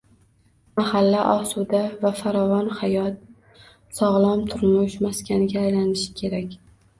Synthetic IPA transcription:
mahalːaʔɒsud̪avafaɾɒvɒnhajɒt̪̚ | sɒʁlˠamt̪ʰʊɾmʊʃmaskʲanɪɡʲaːjlanɪʃɪ̥kʲʰe̞ɾakʲ

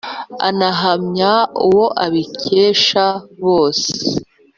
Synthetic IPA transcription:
a̰naɦamɲauwo̞ʔaβiceːʃaβo̞ːse

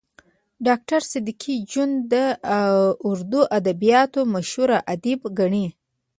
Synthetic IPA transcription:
ɖɑk̚ʈaɾsɪd̪ikʰid͡ʒund̪ə | ʊɾd̪uʔad̪abijɑt̪omaʃhuɾaʔad̪ibɡaɳi

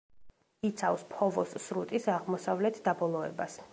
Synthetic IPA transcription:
it̪sʰafspʰɔvɔsːɾut̪ʼisaʁmɔsavlɛt̪ʰd̪abɔlˠɔɛ̰bas

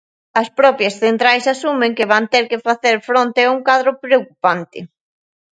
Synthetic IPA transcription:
ɐspɾɔpjɐsθent̪ɾajsasumẽŋkɪβant̪eɾkɪfaθeɾfɾont̪ɪauŋkaðɾʊpɾeowkupant̪ɪ̰

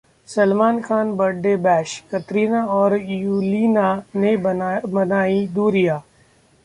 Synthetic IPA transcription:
səlmaːnkʰaːnbəɖːebɛːʃkət̪ɾiːnaɔːɾjuːliːnanebɐnaːid̪uːɾijaː

